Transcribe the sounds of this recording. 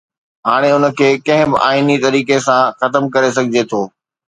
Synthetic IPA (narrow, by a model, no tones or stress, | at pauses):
ɦaːɽ̃eʊnə̆kʰeːkɐ̃ɦɪ̃bɪʔaːinit̪ɐɾiːkesãxɐt̪əmkɐɾes̬ɐɡʱɪd͡ʑet̪ʰoː